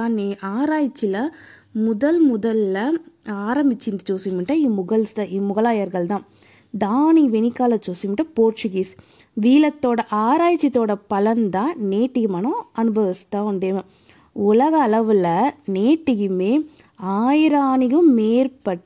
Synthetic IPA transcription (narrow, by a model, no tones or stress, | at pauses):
naːɾaːjɪt͡ʃːɪlɐmʊðɐlmʊðɐlːɐaːɾɐmbɪt͡ʃːɪnd̪ɯt͡ʃoːsɪmɪɳʈːɐimʊɣɐɭst̪aʔiːmʊɣɐlaːjɐɾɣɐɭd̪ãː | d̪aːniʋɛnɪkːaːlɐt͡ʃoːsɪmɪɳʈːɐpoːɾt͡ʃɯɡis | ʋiːlɐt̪ːoːɽɐʔaːɾaːjt͡ʃːɪt̪ːoːɽɐpɐlɐnd̪ãːneːʈːɪɣɯmɐnõʔɐnɯbɐʋɪst̪ãːʊɳɖeːʋɐ̃ | ʊlɐɣɐːlɐʋɯlɐneːʈːɪɣɯmeː | aːjɪɾaːnɪɣɯmːeːɾpɐʈː